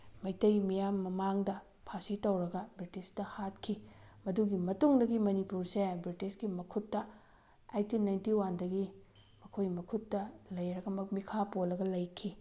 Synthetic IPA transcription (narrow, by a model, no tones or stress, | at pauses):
mɐjtɐjmijamːɐmaŋdɐ | pʰasitɐwɾɐɡɐbɾitistɐhat̚kʰimɐduɡimɐtuŋdɐɡimɐnipuɾsebɾitisɡimɐkʰutːɐ | ajtinajntiwandɐɡi | mɐkʰojmɐkʰutːɐlɐjɾɐɡɐmɐmikʰapolːɐɡɐlɐjkʰi